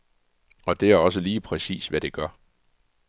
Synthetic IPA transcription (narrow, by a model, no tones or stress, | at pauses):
ɒ̽d̥e̝æɐɒ̽s̬əliːpʰʁɛsḭːsʋæd̥e̝ɡ̥ɶɐ